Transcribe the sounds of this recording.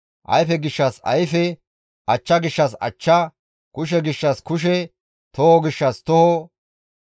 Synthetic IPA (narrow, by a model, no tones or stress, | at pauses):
ʔɐ̰jfɛɡɪʃːɐsɐ̰jfɛ | ʔɐt͡ʃːɐɡɪʃːɐsɐ̰t͡ʃːɐ | kʊʃ̬ɛɡɪʃːɐskʊʃ̬ɛ | t̪ɔhɔɡɪʃːɐst̪ɔhɔ